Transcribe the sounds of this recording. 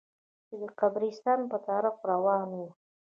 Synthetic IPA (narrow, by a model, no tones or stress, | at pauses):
t͡ʃed̪əqabɾist̪ɑnpət̪ɑɾɪxɾawɑnwu